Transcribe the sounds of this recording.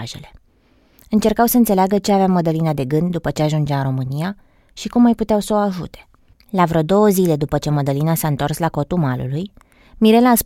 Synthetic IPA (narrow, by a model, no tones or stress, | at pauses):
ʒe̞̰le̞ | ɨnt͡ʃe̞rkawsəɨnt̪se̞leaɡət͡ʃe̞aveaməd̪əlinad̪e̞ɡɨnd̪̚d̪upət͡ʃe̞aʒund͡ʒeaɨnɾo̞mɨnija | ʃikumːajput̪eawsəoaʒṵt̪e̞̥ | lavɾəd̪o̞wəzile̞d̪upət͡ʃe̞məd̪əlinasaɨnt̪o̞rslako̞t̪umalṵluj | miɾe̞laːs